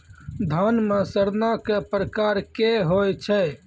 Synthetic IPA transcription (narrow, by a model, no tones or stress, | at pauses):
d̪ʱanmẽsəɾnakepɾəkaɾkeɦojt͡ʃʰɛ